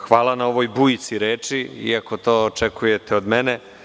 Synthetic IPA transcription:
xʋaːlˠanao̞ʋojbujit̪siɾeːt͡ʂiḭako̞t̪o̞ːot͡ʃekujet̪eod̪mene

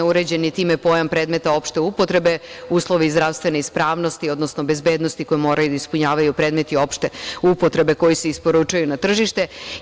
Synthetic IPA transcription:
uɾed͡ʑe̞nit̪iːmepo̞jampɾed̪me̞t̪ao̞pʃt̪eupot̪ɾe̞beuːslˠoʋizd̪ɾaʋst̪ʋe̞neispɾaːʋnost̪io̞d̪nosnobe̞zbeːd̪nost̪iko̞jemo̞ːɾajud̪aispuɲaːʋajupɾe̞ːd̪met̪io̞pʃt̪e̞upot̪ɾe̞be̞ko̞jiseispoɾut͡ʃujunat̪r̩ʒiʃt̪e̞

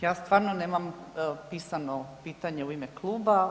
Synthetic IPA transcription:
jaːst̪ʋaːɾnoneːmam | piːsanopiːt̪aɲeuimeklˠuːba

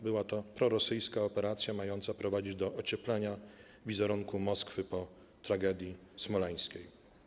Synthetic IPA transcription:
bɘwat̪ɔpɾɔɾɔsɘjskaɔpɛɾat̪sʲjamajɔnt̪sapɾɔvad͡ʑid͡ʑd̪ɔʔɔt͡ɕɛplɛɲa | vʲizɛɾuŋkumɔskfɘpɔ | t̪ɾaɡɛd̪ʲjismɔlaj̃skʲej

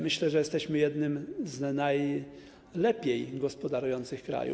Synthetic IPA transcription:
mɘɕlɛʐɛjɛst̪ɛɕmɘjɛd̪nɘmznaj | lɛpʲjejɡɔspɔd̪aɾujɔnt̪sɘxkɾa̰jṵ

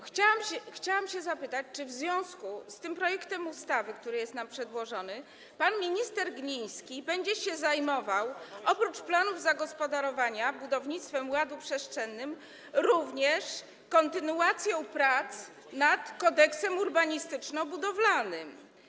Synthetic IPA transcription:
xt͡ɕawamɕɛxt͡ɕawamɕɛzapɘt̪at͡ɕt͡ʂɘvzvʲjɔ̃w̃skust̪ɘmpɾɔjɛkt̪ɛmust̪avɘkt̪uɾɘjɛst̪nampʂɛd̪wɔʐɔnɘ | panmʲiɲist̪ɛɾɡɲij̃skʲibɛɲd͡ʑɛɕɛzajmɔvawɔpɾut͡ʂplanuvzaɡɔspɔd̪aɾɔvaɲabud̪ɔvɲit̪st̪fɛmwad̪upʂɛʂt͡ʂɛnːɘm | ɾuvɲɛʂ | kɔnt̪ɘnuat̪sʲjɔ̃w̃pɾat̪s | nat̪kɔd̪ɛksɛmuɾbaɲist̪ɘt͡ʂnɔbud̪ɔvlanɘm

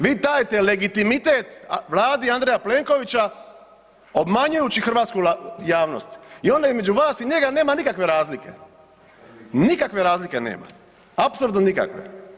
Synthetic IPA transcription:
ʋiːt̪aːjt̪e̞le̞ɡit̪imit̪eːt̪ʋlˠaːd̪iand̪ɾejaple̞ŋko̞ʋit͡ɕa | o̞bmaɲujut͡ɕixrʋaːt̪skujaːʋno̞̰st̪io̞nd̪aizme̞d͡ʒuʋaːsiɲe̞ɡane̞ːmanikakʋe̞ɾaːzlike̞̰ | nikakʋe̞ɾaːzlike̞nḛːma̰ | apsuɾd̪nonika̰kʋḛ

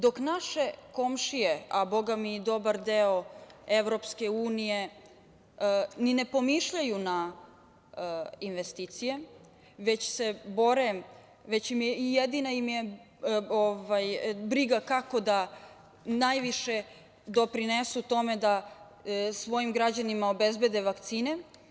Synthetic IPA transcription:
d̪o̞knaʃe̞ko̞mʃijeabo̞ɡamid̪o̞baɾd̪eoeʋvɾo̞pske̞uːnije̞ | ninepo̞miʃʎajuna | inʋest̪it̪sije̞ | ʋe̞t͡ɕsebo̞ɾe | ʋet͡ɕimjeijed̪inajimje | ovajbɾiɡakako̞d̪a | najʋiʃe | d̪o̞pɾinesut̪o̞me̞d̪a | sʋo̞jimɡɾad͡ʑanimao̞be̞zbe̞d̪e̞ʋakt̪siːne

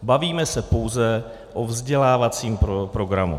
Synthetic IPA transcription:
baviːmɛsɛpo̞wzɛ | ʔovzɟɛlaːvat͡siːmpɾopɾo̞ɡɾamṵ

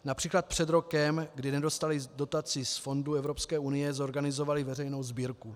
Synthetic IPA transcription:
napr̝̥iːklat̪̚pr̝̥ɛd̪ɾo̞kɛmɡdɪnɛdo̞st̪alɪdo̞t̪at͡sɪsfo̞nduɛvɾo̞pskɛːunɪjɛzo̞ɾɡanɪzo̞valɪvɛrɛjno̞wzbiːɾku

